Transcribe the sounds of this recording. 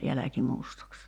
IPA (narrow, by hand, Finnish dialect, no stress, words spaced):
jælæki mustɑks